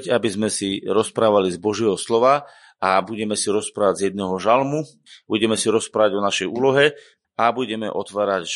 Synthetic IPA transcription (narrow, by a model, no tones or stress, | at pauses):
ɟabizmɛsiɾɔspɾaːʋalizbɔʒɪɛɦɔslɔʋa | abuɟɛmɛsiɾɔspɾaːʋaɟzjɛd̪̚nɛɦɔʒalmu | buɟɛmɛsiɾɔspɾaːʋaɟɔnaʃɛjuːlɔɦɛ | abuɟɛmɛ̰ʔɔt̪ʋaːɾaɟ